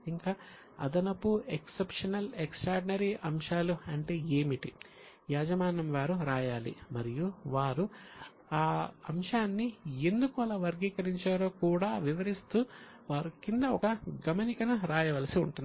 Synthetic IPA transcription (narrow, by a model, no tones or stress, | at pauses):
iŋkaː | ɐ̰d̪ɐnɐpueksepʂɐnɐleksʈɾaːɾɖinɐɾiʔɐmʂaːluɐɳʈe̞ːeːmiʈi | jaːd͡ʒɐmaːnɐmʋaːɾuɾaːjaːlḭmɐɾijuʋaːɾu | aːɐ̰mʂaːnːie̞nd̪ukuɐlɐʋɐɾɡiːkɐɾiɲt͡ʃaːɾo̞ːkuːɽaːʋiʋɐɾist̪uː | ʋaːɾukind̪ɐɔkɐɡɐmɐnikɐnuɾaːjɐʋɐlɐsiṵɳʈun